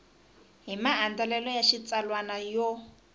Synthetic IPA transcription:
ɦimaːndalɛlɔjaʃit͡salwanajɔ

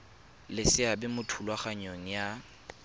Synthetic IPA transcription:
lɪsɪabɪmʊtʰulwaχaɲoŋ̩ja

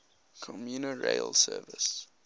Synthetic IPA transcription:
kʰɔmjuːnəɹḛɪlsɜːvɪs

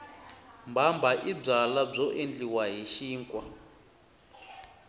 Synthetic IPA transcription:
mbambaʔib͡ʐalab͡ʐɔʔend͡ɮiwaɦiʃiːŋkʼwa

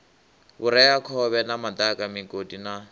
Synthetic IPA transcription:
bʊɾɛjakʰɔβɛnamat̪akʼamɪŋkʼodina

